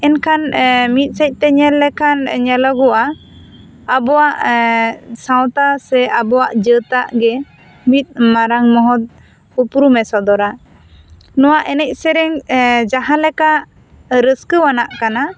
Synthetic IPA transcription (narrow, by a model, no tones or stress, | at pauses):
ɛnkʰanmit̪̚ˀsəc̚t̪ɛɲɛlːɛkʰanɲɛlɔɡɔʔaː | bɔwaʔ | sãwt̪asɛʔabɔwaʔd͡ʒət̪aʔɡɛ | mit̪̚ˀmaɾaŋmɔɦɔt̪̚ | upɾumɛsɔd̪ɔɾa | nɔwaʔɛnɛc̚ˀsɛɾɛŋd͡ʒaɦãlɛkaʔ | ɾəskəwanaʔkana